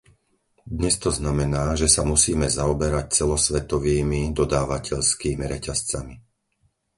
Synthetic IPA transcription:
d̪ɲɛst̪ɔznamɛnaːʒɛsamusiːmɛzaɔbɛɾac̚t͡sɛlɔsʋɛt̪ɔʋiːmid̪ɔd̪aːʋacʰɛʎskiːmiɾɛcast͡sami

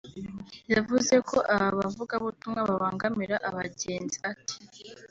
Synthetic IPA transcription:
javuze̞kʰoʔaβaβavuɡaβutumŋaβaaːŋɡamiɾaʔaβaɟe̞ːnziati̥

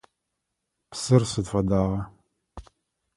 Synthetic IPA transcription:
psɨrsɨdfɐdaːʁɐ

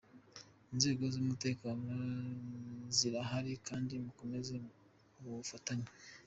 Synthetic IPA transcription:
inze̞ːɡo̞zumute̞ːkaːno | ziɾaɦaɾikaːndimuko̞me̞ze | uβufataɲa

